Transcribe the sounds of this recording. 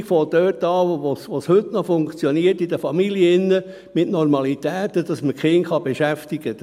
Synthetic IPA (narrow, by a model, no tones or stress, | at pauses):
kfɔd̥̪œːtɑːʋosʋoːshɵtnɔfʊŋkt͡sjɔniətidəfɑmiliəɪnːə | mɪtnɔɾmɑlit̪æːt̪ədɑsməkχɪŋχɑbɛʃæftiɡ̥ə